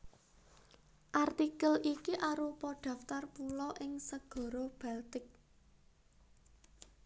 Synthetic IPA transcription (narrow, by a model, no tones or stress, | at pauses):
ʔart̪ikəlʔikiʔaɾupɔɖ̥ä̤ft̪arpulɔʔɪŋsəɡ̥ɔ̤ɾob̥alt̪ɪk̚